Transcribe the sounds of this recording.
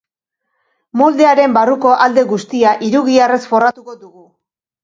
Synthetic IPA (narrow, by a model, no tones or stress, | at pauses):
mo̞ld̪e̞aɾe̞mbaruko̞ʔald̪e̞ɣust̪iaʔiɾuɣ̞iare̞sfo̞rat̪uko̞ðuɣu